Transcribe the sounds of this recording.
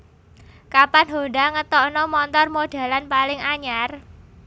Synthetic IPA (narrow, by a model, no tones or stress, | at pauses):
kapanɦonɖaŋət̪ɔʔnɔmɔnt̪ɔrmoɖ̥a̤lanpalɪŋaɲar